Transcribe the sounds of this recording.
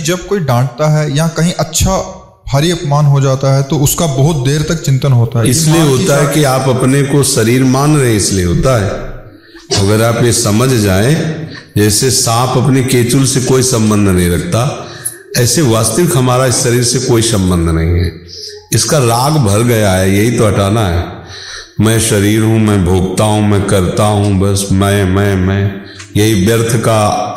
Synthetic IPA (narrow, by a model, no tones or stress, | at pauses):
d͡ʒɐb̚koːiɖãːɳʈ̚t̪aɦɛjɐãkɐɦĩʔɐtːʃʰa | bʱaːɾiɐpmaːnɦod͡ʒaːt̪aɦɛt̪oʊskabɐɦʊt̪̚d̪eːɾt̪ɐk̚t͡ʃɪ̃nt̪ənɦoːt̪aɦɛɪslieɦoːt̪aɦɛkiaːpɐpnekosɐɾiːɾmaːnɾɐɦẽɪslieɦoːt̪aɦɛː | mɐɡəɾaːpjesɐməd͡ʒʱd͡ʒaːẽd͡ʒɛːsesãːpɐpnekeːt͡ʃʊlsekoːisɐ̃mbə̃nd̪ʱnɐɦĩɾɐkʰt̪a | ɛːseʋaːst̪əʋɪkɦɐmaːɾaɪsʃɐɾiːɾsekoːisə̃mbə̃nd̪ʱnɐɦĩɦɛː | ɪskaɾaːɡbʱəɾɡəjaɦɛjɐɦit̪oɐʈaːnaɦɛː | mɛ̃ʃəɾiːɾɦũmɛ̃bʱoːɡt̪aɦũmɛ̃ːkəɾt̪aɦũbəsmɛ̃mɛ̃mɛ̃ | jɐɦibjəɾt̪ʰka